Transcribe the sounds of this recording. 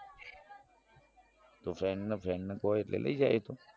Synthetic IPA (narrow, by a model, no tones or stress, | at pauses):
t̪oːfɛːnːəfɛːnːəkoːɪt̪lḛːlʔə̰id͡ʒaːet̪ʰoː